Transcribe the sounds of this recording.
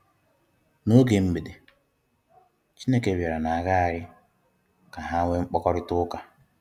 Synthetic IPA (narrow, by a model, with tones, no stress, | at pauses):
no˦ɡe˨m̩˦be˨de˨ | t͡ʃi˦ne˦ke˨˦˨ba˨ɾa˨na˨a˨ɣa˦a˨ɾɪ˦ | ka˨ɦa˦ŋʷe˦ŋ͡m̩˦k͡pɔ˦kɔ˦ɾɪ˦tʊ˦ka˨